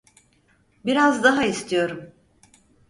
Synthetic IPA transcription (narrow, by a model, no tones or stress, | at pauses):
biɾazd̪aɦaist̪ʰijo̞ɾum